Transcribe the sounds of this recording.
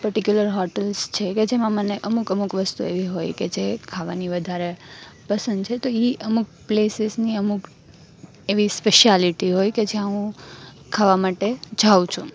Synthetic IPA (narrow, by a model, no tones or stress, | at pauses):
pəɾʈikjuləɾɦɔɾʈəlst͡ʃʰeked͡ʒemãməneʔəmukəmukʋəst̪uḛʋiɦojked͡ʒekʰaʋaniʋəd̪ʱaɾepəsə̃nd̪̚t͡ʃʰet̪oiʔəmuk̚plesɪzniəmuk | eʋispeʃaliʈiɦojked͡ʒeãɦũ | kʰaʋamaʈed͡ʒʱaʋũt͡ʃʰũ